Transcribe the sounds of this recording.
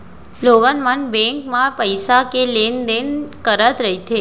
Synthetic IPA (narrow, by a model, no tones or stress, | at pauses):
loɡənmənbɛ̃ŋkmãpəjsakelend̪enkəɾat̪ɾəɦit̪ʰe